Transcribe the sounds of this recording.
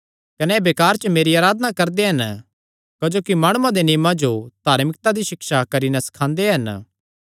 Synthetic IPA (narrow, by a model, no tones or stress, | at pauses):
kɐnɛbeːkaːɾt͡ʃəmeːɾiaːɾaːd̪nakɐɾd̪eɦɐn | kɐd͡ʒoːkimaːɽ̃uãd̪enɪjmãd͡ʒod̪̥ʱaːɾmɪk̚t̪ad̪iʃɪkʃakɐɾinɛsɐ̥kʰãːnd̪eɦɐn